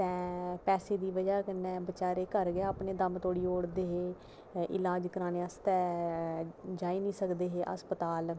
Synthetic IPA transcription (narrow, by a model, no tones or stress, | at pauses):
t̪ɛ̃ːpɛːseːd̪iːʋəd͡ʒaːkənːɛːbət͡ʃaːɾeːkəɾɡaːaːpneːd̪əmt̪oːɽiːoːɽd̪eːɦeː | ʔɪ̰laːd͡ʒkəɾãːneːəst̪ɛː | d͡ʒaːiːnĩːsəkd̪eːɦeːʔə̰spət̪aːl